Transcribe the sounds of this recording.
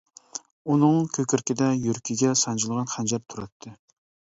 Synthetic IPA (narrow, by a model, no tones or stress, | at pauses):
unɨŋkʲʰøkʲʰyɾkʲɪd̪ɛjyɾkʲʰiɡʲɛsɑnd͡ʒɨlˠʁɑnχænd͡ʒæɾt̪ʰuɾɑt̪ʰːɨ